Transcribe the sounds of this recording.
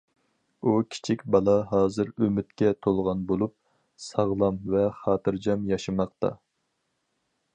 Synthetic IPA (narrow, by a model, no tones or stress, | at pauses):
ukʲʰi̥t͡ʃʰikʲbɑlˠɑɦɑːzɨɾømɪt̪kʲɛt̪ʰolˠʁɑnbolˠup̚ | sɑʁlˠɑmvɛχɑːt̪ʰɨɾd͡ʒɑmjɑʃɨmɑqt̪ɑ̰